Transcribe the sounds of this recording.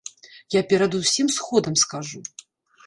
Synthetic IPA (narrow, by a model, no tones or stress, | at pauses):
japʲɛɾɐd̪usʲimsxɔd̪ɐmskaʐu